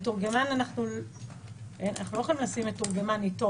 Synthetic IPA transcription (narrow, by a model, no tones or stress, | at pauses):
tuʁɡemananaχnul | enanaχnuloexolimnlasimetuʁɡemanito